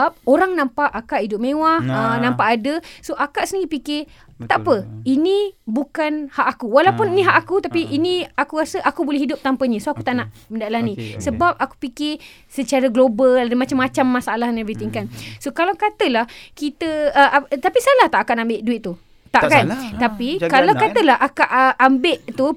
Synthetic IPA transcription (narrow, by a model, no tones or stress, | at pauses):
ap̚oɾaŋnãmpaʔakaʔidʊp̚mẽwaənãmpaʔadəsoʔakaʔsəniŋipikɪ | t̪aʔapəinibukanhaʔakuwalaupʊninĩɦaʔakut̪apiʔiniakuɾasəʔakubolɛhɦidʊp̚t̪ampəɲəsoakut̪aʔnaʔməndaʔlanĩsəbap̚aku̥pikɪ | sət͡ʃaɾaɡloballdəmat͡ʃamːat͡ʃamːasaalahnãbit̪iŋkansokalawkat̪əlahkit̪əəʔat̪apisalaht̪aʔakaʔnambɪʔduɪt̪̚t̪ːu | t̪aʔkant̪apikalawkat̪əlaɦʔakaʔəʔambɪʔt̪u